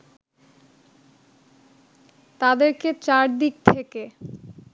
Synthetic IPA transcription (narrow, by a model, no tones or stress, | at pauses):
t̪ad̪eɾket͡ɕaɾd̪ik̚t̪ʰeke